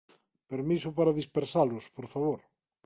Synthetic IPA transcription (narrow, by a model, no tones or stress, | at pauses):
peɾmisʊpaɾaðispeɾsalʊspoɾfaβ̞oɾ